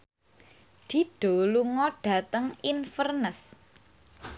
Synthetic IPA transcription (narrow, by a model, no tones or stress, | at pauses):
d̪̥i̤ɖ̥o̤luŋɔɖ̥a̤t̪əŋinfərnəs